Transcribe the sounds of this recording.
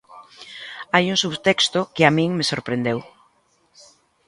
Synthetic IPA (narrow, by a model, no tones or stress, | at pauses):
ajuŋsuβt̪ɛkst̪ʊkɪamĩŋmesoɾpɾend̪ew